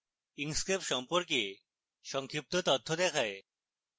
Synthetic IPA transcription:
iŋskɾepʃɔmpoɾk̬e | ʃɔŋkʰip̚t̪ot̪ot̪ʰːod̪ɛkʰae

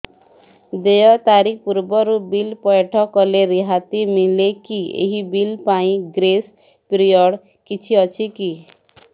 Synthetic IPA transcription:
d̪ejɔt̪aɾipuɾbɔɾubilpɔjeʈʰɔkɔleɾiɦat̪imilekiḛɦibilpaĩɡɾes | pɾiɔɽ | kit͡ʃʰiɔt͡ʃʰiki

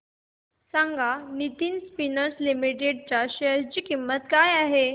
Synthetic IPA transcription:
sãŋɡanit̪iːnspinəɾslimiʈeɖ̚t͡ɕaɕeəɾd͡ʑiːkimːət̪kajaɦe

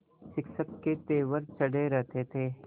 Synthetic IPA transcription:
ʃɪkʃəkːet̪eːʋəɾt͡ʃɐɽeɾɛɦt̪et̪ʰeː

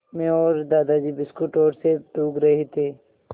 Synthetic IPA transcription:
mẽɔːɾd̪aːd̪ad͡ʒiːbɪskuʈɔːɾseʈuːɡɾɐɦet̪ʰeː

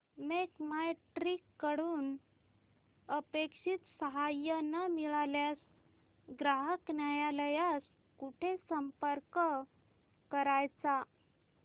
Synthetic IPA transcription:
mekmaʈɾikːəɽuːn | əpekʂit̪səɦajənamiɭaljas | ɡɾaɦəknjajaləjas | kuʈʰesəmpəɾkə | kəɾajt͡sa

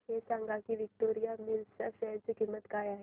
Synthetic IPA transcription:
ɦesaŋɡakiʋik̚ʈoɾijamiɾsaɕəɾt͡siːkimːət̪kajaɦe

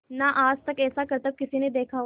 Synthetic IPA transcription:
naʔaːd͡ʒt̪ɐkɛːsakɐɾt̪əb̚kɪsined̪eːkʰa

